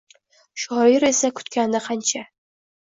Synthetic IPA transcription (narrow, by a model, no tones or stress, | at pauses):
ʃɒɪɾe̞sakʰʊ̥t̪kʲand̪aqʰɑnt͡ʃʰa